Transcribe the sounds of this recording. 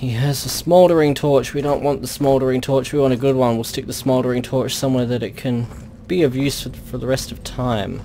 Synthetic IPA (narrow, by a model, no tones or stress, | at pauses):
hiɨzəsmɔlˠdə˞ɪ̃ŋtʰɔɹt͡ʃwidõʊ̃nʔwɑ̃nðəsmɔlˠdə˞ɪ̃ŋtʰɔɹt͡ʃwiwɑ̃ñtɨɡʊd̚wʌ̃nwilˠstɪk̚ðəsmɔlˠdə˞ɪ̃ŋtʰɔɹt͡ʃsʌ̃mwɛɹðɨɾɨt̚kʰɨ̃n | b̥iʌvjʉsfəfə˞ðəɹɛstʌv̥tʰãɪ̃m